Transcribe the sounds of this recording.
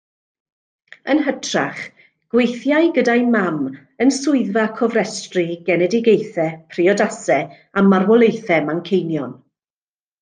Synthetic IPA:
ənɦətʰraχ | ɡ̥wejθjajɡədajmam | ənsʊɨðvakʰɔvrɛstriɡɛnɛdɪɡejθɛpʰriɔdasɛ | amarwɔlˠejθɛmaŋkʰejnjɔn

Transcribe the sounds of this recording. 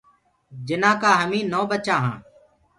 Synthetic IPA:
d͡ʒɪnãːkaːɦəmĩːnoːbət͡ʃãːɦã̰ː

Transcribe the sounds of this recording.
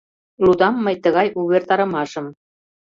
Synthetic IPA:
lud̪ɑmːəjt̪əɣɑjuβert̪ɑɾɤ̆mɑʃɤ̆m

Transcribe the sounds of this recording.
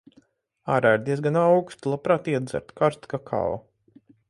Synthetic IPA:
aːɾajɾd̪ʲiɛsɡanawkst̪lˠapɾaːt̪iɛd̪za̰ɾt̪kaɾst̪kakʰa̰w

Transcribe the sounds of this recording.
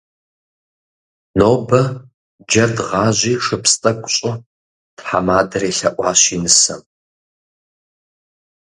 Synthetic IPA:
noːbɐ | d͡ʒɐrdʁɑːʑʷiːʂɨpstʼɐkʷʼɕʼʊ | tħa̰maːdɐɾeːɬɐʔʷʼɑːɕinɨsɐ̰m

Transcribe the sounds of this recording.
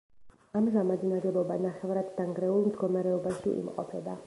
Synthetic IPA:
amzamad̪inaɾɛbɔbanaχɛvɾad̪ːaŋɡɾɛulˠmd̪ɡɔmaɾɛɔbaʃḭʔḭmqʼɔ̰pʰɛba

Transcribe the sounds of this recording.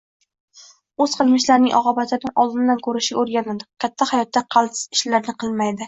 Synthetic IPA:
ɵz̥qʰɨlˠmɪʃlaɾnɪŋʔɒ̰ʁɑbat̪ɪɾnɪŋɒlˠd̪ɪnd̪ankʰɵɾɪʃɪoɾɡʲanɪd̪ɪkʲʰat̪ʰːahajɒt̪ːaqʰɑlˠsɪ̥zɪʃlaɾnɪqʰɨlˠmajd̪ɪ

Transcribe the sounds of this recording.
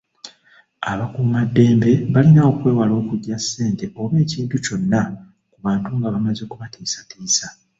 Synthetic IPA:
aβakumadːe̞ːmbe̞βalinao̞kwe̞ːwalo̞ːkuɟːasːe̞ːnte̞o̞βe̞ːciːntuco̞nːa | kuβaːntuŋɡaβamaze̞kuβatiːsatiːsa

